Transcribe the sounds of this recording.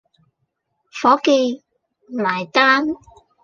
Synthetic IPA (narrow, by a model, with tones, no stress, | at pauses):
fɔː˨˥ke˧j | laː˨˩jt̪aː˥n